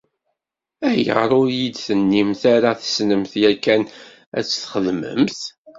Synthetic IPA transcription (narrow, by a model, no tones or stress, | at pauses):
æjə̰ʁɾˤʊɾjid̪θənːimθaɾaθə̥snəmθjækːæn | æ̰t͡sːθχəðmə̰mθ